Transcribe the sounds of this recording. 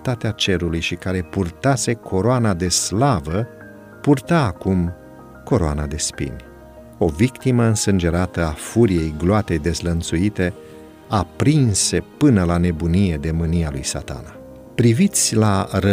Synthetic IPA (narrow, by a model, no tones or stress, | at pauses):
t̪at̪eat͡ʃe̞ɾulujʃikaɾe̞purt̪ase̞kʰo̞ɾoanad̪e̞slavə | purt̪aːkum | ko̞ɾoa̰na̰d̪e̞spḭnʲ | o̞vikt̪iməɨnsɨnd͡ʒe̞ɾat̪əafuɾije̞jɡloat̪e̞jd̪e̞zlənt̪suit̪e̞ | apɾinse̞pɨnəlane̞bunije̞d̪e̞mɨnialṵjsa̰t̪a̰na | pɾivit̪sʲlaɾə